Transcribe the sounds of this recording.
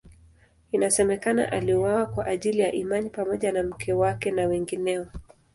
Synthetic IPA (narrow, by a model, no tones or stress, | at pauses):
inasɛmɛkana̰ʔaliwawakwaʔaʄilijaʔimanipamɔʄanam̩kʰɛwakɛnawɛŋɡinɛɔ